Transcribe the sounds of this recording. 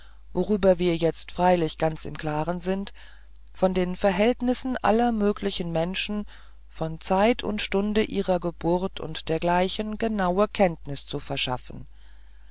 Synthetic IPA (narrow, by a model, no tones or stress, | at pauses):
voʁyːbɐviːɐjɛt͡stfʁ̥aɪlɪçɡ̥ant͡sɪ̰mkʰl̥aːʁənzɪnt | fɔndeːnfɛɐɦɛltnɪsn̩ʔa̰lɐmøːkʰlɪçən̩mɛnʃn̩ | fɔnt͡saɪtʰʊ̰ntʃtʊndəʔiːʁɐɡəbʊʁɐtʰʊ̰ntd̥eːɐɡlaɪçən̩ɡənaʊəkʰɛntnɪst͡sufɛɐʃa̰fn̩